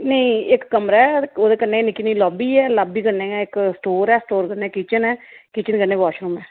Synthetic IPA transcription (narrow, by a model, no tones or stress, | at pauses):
nəĩːɪkːəmɾaːɛoːd̪eːkəneːnɪkːiːniilɔːbiːɛːlaːbiːkəɾnẽːɛːɪksʈoːɾɛːsʈoːɾkəɾneːkiːt͡ʃənɛːkiːt͡ʃənkənẽːʋɔːʃɾuːmɛː